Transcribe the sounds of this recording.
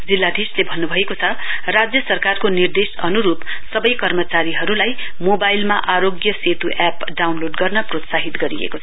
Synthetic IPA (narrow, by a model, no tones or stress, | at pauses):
d͡zilːad̪ʱislebʱʌnːubʱʌekot͡sʰʌrad͡zjʌsʌrkarkonird̪esʌnuɾupsʌbʌjkʌrmʌt͡saɾiɦʌɾulajmobajlmaʔaɾoɡjʌset̪uʔɛpɖawnloɖɡʌrnʌprot̪saɦit̪ɡʌɾḭḛkot͡sʰʌ